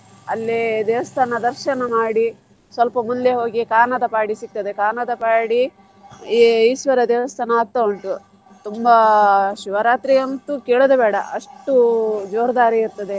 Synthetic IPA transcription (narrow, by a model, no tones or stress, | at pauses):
ɐlːid̪ɛːʋɐst̪ʰaːnɐd̪ɐɾʃɐnɐmaːɽi | sʋɐlpɐmund̪eɦo̞ːɡikaːnɐd̪ɐpaːɽisik̚t̪ɐd̪ekaːnɐd̪ɐpaːɽi | isʋɐɾɐd̪eːʋɐst̪ʰaːnɐaːt̪ːɐoɳʈu | t̪umbɐʃuʋɐɾaːt̪ɾiɐnt̪ukeːɭud̪ɐbɛːɽɐ̰ʔɐʂʈud͡ʒoːɾɐd̪aːɾiːɾt̪ɐd̪e